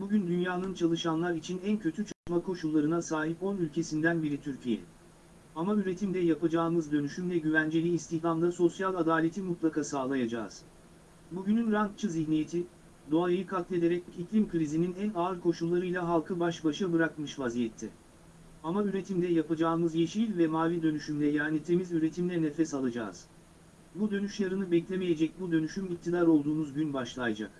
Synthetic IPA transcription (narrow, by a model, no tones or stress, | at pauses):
buɟynd̪ynjaːnɯnt͡ʃʰalˠɯʃanlˠaɾit͡ʃʰinæncʰø̞t̪ʰyt͡ʃʰat̪makʰo̞ʃulˠːaɾɯnasaːɦipo̞nylʲcʰe̞sind̪ænbiɾit̪ʰyɾcʰijɛ̰ | amayɾe̞t̪ʰimd̪ɛjapad͡ʒaːɯmɯzd̪ø̞nyʃymvɛɟyvænd͡ʒe̞lʲiːst̪ʰihɾamd̪aso̞sjalʲˠad̪aːlʲe̞t̪ʰimut̪lˠakʰasaːlˠajad͡ʒa̰ːz̥ | buɟynynɾaŋk̚t͡ʃʰɯziçnijet̪ʰi | d̪o̞ajajɯkʰak̪lʲˠe̞d̪e̞ɾɛc̚iclʲimkɾizininænaɯɾkʰo̞ʃullˠaɾɯjlʲˠaɦalˠkʰɯbaʃbaʃɯbɯɾakmɯʃvazijɛt̪ʰːɛ | amayɾe̞t̪ʰimd̪ɛjapad͡ʒaːɯmɯzje̞ʃilʲvɛmaːvid̪ø̞nyʃymlʲɛjaːnit̪ʰe̞mizyɾe̞t̪ʰimlʲɛnefɛsalˠad͡ʒa̰ːz̥ | bud̪ø̞nyʃlˠaɾɯnɯbɛclʲemeje̞d͡ʒɛc̚bud̪ø̞nyʃymic̚t̪ʰid̪aɾo̞lˠd̪uːnuzɟynbaʃlˠajd͡ʒa̰k̚